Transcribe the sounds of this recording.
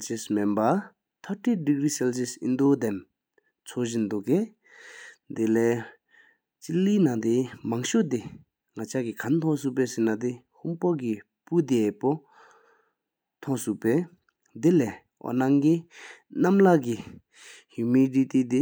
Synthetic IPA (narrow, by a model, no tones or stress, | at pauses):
sesmenba | t̪ʰaʈ͡ʂidikrisɛlsisḭnd̪od̪ɛn | t͡sʰoʑind̪uʔke | d̪elɛː | t͡ɕiliːnat̪imaŋɕot̪e | ŋat͡ɕʰakikʰant̪ʰɔ̃suʔpɛːsenat̪i | huŋpoki | pud̪epo | t̪ʰɔʔsuʔpɛː | d̪elɛ | ɔ̰naŋkinamlaki | humidit̪id̪i